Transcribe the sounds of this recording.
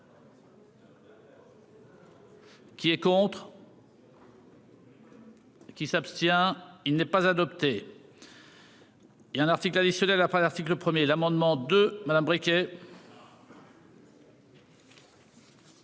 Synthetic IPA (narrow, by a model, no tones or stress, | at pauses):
kʲiɛkɔ̃t̪χ | kʲisapst̪jɛ̃ilnɛpazad̪ɔpt̪e | jaɛ̃naʁt̪iklad̪isjɔnɛlapχɛ̃laʁt̪ikləpχəmjelamɑ̃d̪mɑ̃d̪ømad̪ambʁikʲe